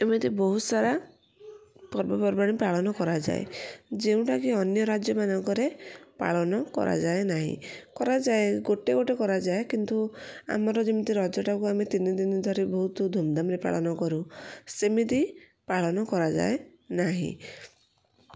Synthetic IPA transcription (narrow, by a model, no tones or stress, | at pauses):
emit̪ibɔɦut̪saɾa | pɔɾbɔpɔɾbaɽ̃ipaɭɔnɔkɔɾad͡ʒa̰ḛd͡ʒeũʈakiɔnjɔɾad͡ʒjɔmanɔŋkɔɾepa̰ɭɔnɔkɔ̰ɾa̰d͡ʒaenaɦḭ̃kɔɾad͡ʒaeɡoʈeɡoʈekɔɾad͡ʒaekint̪ua̰mɔɾɔd͡ʒemit̪iɾɔd͡ʒɔʈakuamet̪inid̪inid̪ʱɔɾebɔɦut̪ɔd̪ʱumd̪amɾepa̰ɭɔnɔkɔɾusemit̪i | paɭɔnɔkɔɾad͡ʒa̰enaɦḭ̃